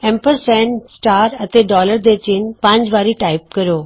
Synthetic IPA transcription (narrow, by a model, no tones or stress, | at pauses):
ẽmpəɾsɛ̃nsʈaːɾɐt̪eɖɔːləɾd̪et͡ɕɪnpãɲd͡ʑʋaːɾiʈaːɪp̚kɐɾjoː